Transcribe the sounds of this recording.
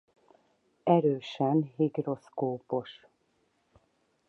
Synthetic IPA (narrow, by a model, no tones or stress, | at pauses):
ɛɾøːʃɛnɦiɡro̞skoːpo̞ʃ